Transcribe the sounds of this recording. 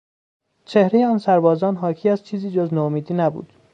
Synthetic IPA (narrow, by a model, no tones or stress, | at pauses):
t͡ʃʰe̞hɾe̞jeɒːnsæɾbɒːzɒːnɦɒːcʰiːæzt͡ʃʰiːziːd͡ʒoznoomiːd̪iːnæbṵːd̪̥